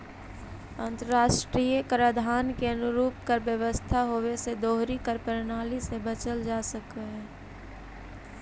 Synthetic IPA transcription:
ə̃nt̪ɾəɾaːʃʈɾiːjəkɾəd̪ʱaːnkeɐnʊɾuːpkəɾbjəʋəst̪ʰaɦoːwesed̪oːɦɾikəɾpəɾnaːlisebət͡ʃəld͡ʒaːsəkeɦɛ̃ː

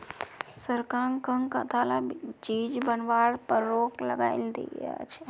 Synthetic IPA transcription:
səɾkãŋkəŋkət̪ʰalat͡ʃid͡ʒbənʋaɽpəɾːokləɡaɪld̪ḭa̰t͡ʃʰ

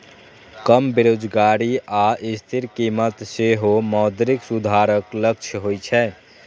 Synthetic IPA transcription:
kəmbeɾod͡ʒɡaɾiaist̪ʰiɾkimət̪seɦomɔd̪ɾiksud̪ʱaɾəklək̚t͡ʃʰəɦojt͡ʃʰɛ

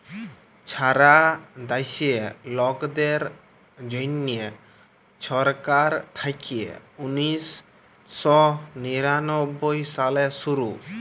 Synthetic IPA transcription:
t͡ʃʰaɾad̪ajsielɔkd̪eɾ | d͡ʒojnːie | ʃɔɾkaɾt̪ʰakiḛunisː | ɔniɾanɔbːojsalesuɾu

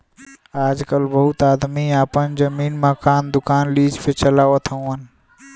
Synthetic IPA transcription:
ad͡ʒkəlbəɦut̪ad̪miapənd͡ʒəminmakand̪ukanlid͡ʒpʰet͡ʃəlawət̪ʰəən

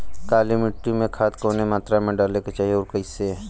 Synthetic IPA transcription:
kaːlimɪʈɾimẽkʰaːt̪koːnemaːt̪ɾamẽɖaːleket͡ʃaːɦieoːɾkəɪse

